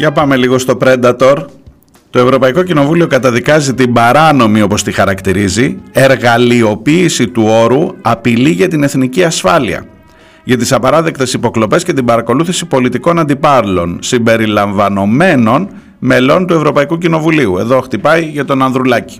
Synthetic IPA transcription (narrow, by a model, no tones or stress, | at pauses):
ʝɐpɐme̞liɣo̞st̪o̞pɾe̞nd̪ɐt̪o̞ɾ | t̪o̞e̞vɾo̞pɐiko̞cino̞vulio̞kɐt̪ɐðikɐzit̪imbɐɾɐno̞mio̞po̞st̪ixɐɾɐkt̪iɾizie̞ɾɣɐlio̞piːsit̪uo̞ɾuɐpiliʝɐt̪ine̞θniciɐsfɐlḭɐ̰ | ʝɐt̪isɐpɐɾɐðe̞kt̪e̞sipo̞klo̞pe̞sce̞t̪̬ibɐɾɐko̞luθisipo̞lit̪iko̞nɐnd̪ipɐɾlo̞nsimbe̞ɾilɐɱvɐno̞me̞no̞n | me̞lo̞nt̪ue̞vɾo̞pɐikucino̞vuliue̞ðo̞xt̪ipɐiʝɐt̪o̞nɐnðɾulɐci̥